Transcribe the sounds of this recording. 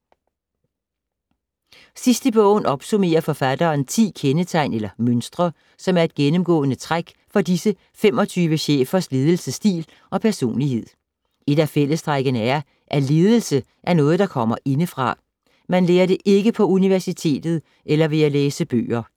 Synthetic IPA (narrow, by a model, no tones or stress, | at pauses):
sisd̥əb̥ɔ̰̽ʊ̰n̩ɒ̽b̥sume̝̰ːɐfɒ̽fæd̥ɐːnt͡sʰḭːkʰenət͡sʰɑ̈ɪ̰nelɐmønsd̥ʁɐ | sɒ̽mæɐe̝d̥ɡ̥enəmɡ̥ɔ̰̽ːnət͡sʰʁaɡ̥ | fɒ̽disə | fem̰ɒ̽t͡sʰyːʋəɕḛːfɐsle̝ːð̞ˠl̩səsd̥ḭːl | ʔɒ̽pʰæɐso̝̰ːnliɦe̝ð̞̰ˠ | e̝d̥æfel̰əsd̥ʁaɡ̥ənəæɐ | ʔæle̝ːð̞ˠəl̩sə | ʔæɐnɔ̽ːð̞̩ˠd̥ɑ̈kʰɒ̽m̰ɐʔe̝nəfʁɑ̈ | mænleːɐɾe̝ʔe̝ɡ̥əpʰɒ̽uniʋæɐsit͡sʰe̝̰ːd̥ð̩ˠ | ʔelɐʋe̝æleːsəb̥ø̰ːɐ